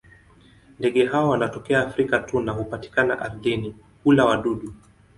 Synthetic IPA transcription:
ndɛɠɛɦaɔwanatɔkɛaːfɾikatunahupati̥kana̰ʔaɾlini | kulawaɗuɗu

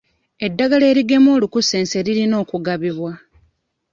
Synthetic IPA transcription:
e̞dːaɡale̞ːɾiɡe̞mo̞ːlukuse̞ːnse̞ɾiɾino̞ːkuɡaβiβwa

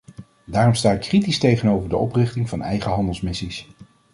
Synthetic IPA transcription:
daːrɔmstaːt̚kritistejχənowvəɹdəɔprɪχtɪŋvɑnɛ̰jχəɦɑndəlˠsmɪsis

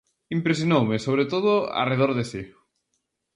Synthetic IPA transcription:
impɾesjonowmɪsoβɾet̪oð̞ʊa̰reð̞oɾðesi

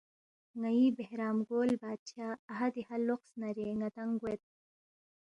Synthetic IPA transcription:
ŋaibehɾaːmɡoːlbaːd̪̚t͡ɕʰaːɦɐd̪ihalːoqsnɐɾeːŋɐt̪ɐŋɡwet̪̚

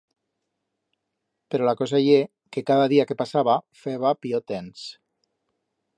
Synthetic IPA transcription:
peɾolakɔzaje | kekaðaðiakepasaβafeβapiot̪ens

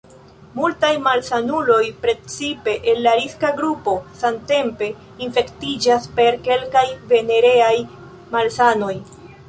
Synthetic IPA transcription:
multajmalsanulo̞jpɾe̞t͡sipe̞ʔenlaɾiskaɡɾupo̞sante̞mpe̞ | infe̞ktid͡ʒaspe̞ɾke̞lkajve̞ne̞ɾe̞aj | malsano̞j

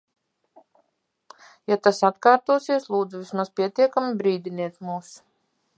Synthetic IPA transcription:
jat̪asat̪kaːɾt̪uɔsiɛslˠuːd̪zuvismaspʲiɛt̪iɛkamibɾiːd̪ʲiniɛt̪muːs

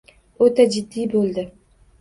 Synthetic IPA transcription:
ɵt̪ad͡ʒɪd̪ːijbɵlˠd̪ɪ

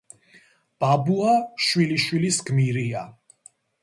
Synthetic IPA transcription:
b̥abuaʃwiliʃwilisɡmiɾia

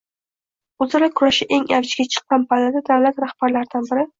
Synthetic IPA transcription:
ɵzaɾakʰʊɾaʃɪʔe̞ŋavɪt͡ʃɡʲat͡ʃʰɨ̥qːɑnpʰalad̪ad̪awlat̪ɾahb̥aɾlaɾd̪anbɪɾɪ

